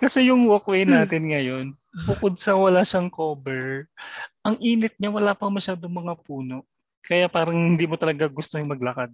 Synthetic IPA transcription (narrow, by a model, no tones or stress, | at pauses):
kɐsɛjʊŋwokwejnaːt̪ɪnŋɐjo̞n | bʊkod̪̚sɐwɐlaʃɐŋkoːbɛɹ | ʔɐŋʔiːnɪt̪̚ɲawɐlaːpɐŋmɐʃaːd̪oŋmɐŋapuːno̞ʔ | kɐjapaːɾɐŋhɪnd̪iːmot̪ɐlɐɡaɡʊst̪ohɪŋmɐɡ̚lɐkad̪̚